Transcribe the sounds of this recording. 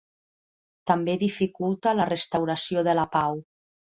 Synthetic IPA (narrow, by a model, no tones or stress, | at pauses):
t̪ambeðifikulˠt̪alərəst̪awɾasioðəlapaw